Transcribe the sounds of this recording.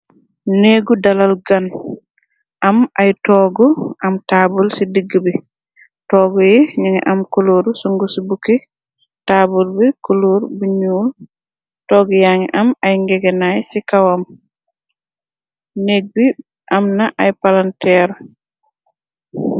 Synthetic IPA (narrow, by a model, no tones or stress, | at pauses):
neɡudalalɡan | ʔamajtɔːɡɔʔamtabulsidiɡːibɛ | tɔːɡɔjɛɲiŋɛ̰ʔamkoloɾusɔŋɡusibukːi | taːbulbɛkoloɾbuɲul | tɔːɡɔjaŋɛʔamajŋɡɛɡɛnajsikawam | neɡ̚bi | ʔamnaʔajpalantɛɾɔ